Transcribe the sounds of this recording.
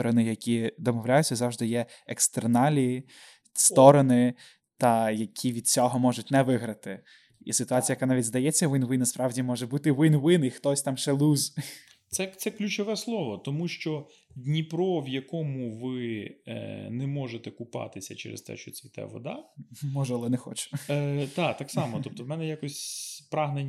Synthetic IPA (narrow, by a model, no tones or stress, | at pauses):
ɔɾɔnɪjɐkʲid̪ɔmɔwlʲajʉt͡sʲːɐzɑwʒd̪ɪjɛekst̪ernɑlʲi | st̪ɔɾɔnɪ | t̪ɐjɐkʲʰiʋʲid̪̚t͡sʲɔɦɔmɔʒʊtʲnɛʋɪɦɾɐt̪ɪ | ḭsɪt̪ʊɑt͡sʲjɐkanɑʋʲidʲzd̪ɐjɛt͡sʲːɐʋɪnʋɪnɐspɾɑwdʲimɔʒɛbut̪ɪʋɪnʋɪnixt̪ɔsʲt̪ɑmʃelʲˠuzʲ | t̪sɛt̪sɛklʲʉt͡ʃɔʋɛslˠɔʋɔt̪ɔmuʃt͡ʃɔ | dʲnʲipɾɔʋjɐkɔmʊʋɪ | nɛmɔʒet̪ɛkʊpɑ̰t̪ɪsʲɐt͡ʃɛ̰ɾḛst̪ɛ̰ʃt͡ʃɔt͡sʲʋʲit̪ɛ̰ʋɔ̰d̪ɑmɔʒɛɐlˠɛnɛxɔ̰t͡ʃʊ̥t̪ɑt̪ɑksɑmɔt̪ɔp̚t̪ɔʋmɛnɛjakɔsʲpɾɑɦnenʲ